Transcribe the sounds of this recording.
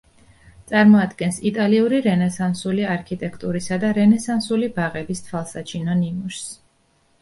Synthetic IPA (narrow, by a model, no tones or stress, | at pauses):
t̪sʼaɾmɔad̪ɡɛnsit̪ʼaliuɾiɾɛnɛsansuliaɾkʰit̪ʼɛkʰt̪ʼuɾisad̪aɾɛnɛsansulibaʁɛbist̪ʰvalˠsat͡ʃʰinɔnimuʃs